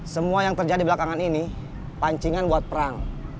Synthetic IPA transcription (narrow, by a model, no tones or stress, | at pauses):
səmuajaŋt̪ərd͡ʒadibəlakaŋanini | paɲt͡ʃiŋanbuat̪̚pəɾaŋ